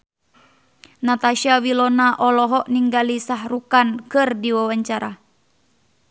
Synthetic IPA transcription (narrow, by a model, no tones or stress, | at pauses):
nat̪aʃiawilɔnaʔɔlɔɦɔʔniŋɡalisaɦrukankɨrdiwawaɲt͡ʃaɾa